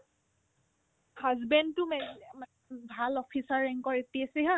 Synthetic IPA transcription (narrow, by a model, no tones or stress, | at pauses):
hazbɛndtʊmɛma | bʱalɔpʰisaɹɛŋkɔɹetiasiɦã